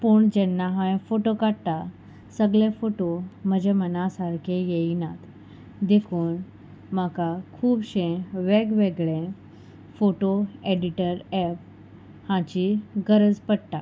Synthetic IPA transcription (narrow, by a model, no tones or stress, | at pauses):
puɳd͡ʑɛnːaɦãfoʈokaɽt̪a | səɡɭefoʈom̤əd͡ʑʱemənasaɾkʰejeinat̪ | d̪ekʰuːn | makakʰuːbɕẽʋeɡʋeɡɭẽ | foʈoeɖiʈəɾɛp | hãt͡ɕiɡəɾəd͡zpəɽt̪a